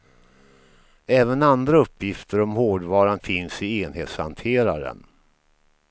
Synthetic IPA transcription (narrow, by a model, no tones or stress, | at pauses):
ɛːvənand̪ɾaɵpːjɪft̪əɾɔmhoːɖvɑːɾanfɪnsɪeːnheːt̪sha̰nt̪ʰeːɾa̰ɾə̰n